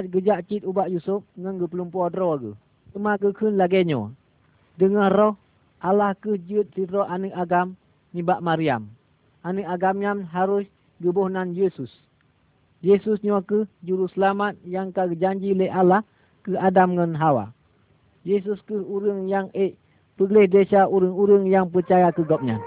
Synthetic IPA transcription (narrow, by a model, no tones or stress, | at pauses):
at̪̚ɡəd͡ʒaʔt͡ʃit̪̚ubaʔjusup̚ŋɔnɡəpəlumpuadɾɔɡɨ̰h | t̪əmakəkʰənlaɡɛɲɔ̰ | dəŋahrɔh | ʔalahkɨhd͡ʒɨt̪̚sidɾɔʔanɨʔaɡam | nibaʔmaɾiam | ʔanɨʔaɡamjamɦaɾʊs | ɡəbɔhnanjesus | jesusɲɔkəhd͡ʒuɾusəlamat̪̚jaŋkaɡəd͡ʒaɲd͡ʒiləalah | kəadamŋɔnɦawa̰ | jes̬uskɨhuɾəŋjaŋeʔ | pəɡlɛhdesaʔuɾɨŋuɾɨŋjaŋp̬ərt͡ʃajakəɡɔp̚ɲa̰n